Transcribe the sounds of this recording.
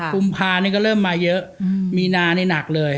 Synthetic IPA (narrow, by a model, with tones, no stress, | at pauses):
ku˧mpʰaː˧niː˥˩kɔː˥˩ɾɤː˥˩mːaː˧jɤ˦˥ʔmiː˧naː˧niː˥˩na˨˩k̚lɤː˧j